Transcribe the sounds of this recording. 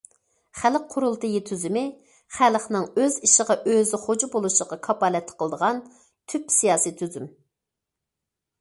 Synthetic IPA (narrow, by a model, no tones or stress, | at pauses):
χælq̚qʰʊɾulˠt̪ɨjit̪ʰyzymɪ | χælχnɨŋøziʃəʁɑʔøzɪχod͡ʒubolˠuʃəʁɑkʰɑpɑlɛt̪ʰːɪ̥qʰəlˠəd̪əʁɑn | t̪ʰypsijɑːsit̪ʰyzym